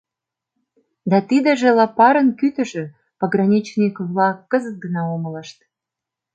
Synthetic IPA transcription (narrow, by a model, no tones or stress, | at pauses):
d̪ɑt̪id̪ə̆ʒĕlɑpɑɾənkyt̪ə̆ʒĕ | pəɡrɑnʲit͡ɕnʲikvlɑkːəzət̪̚ɡə̆nɑomələʃt̪̚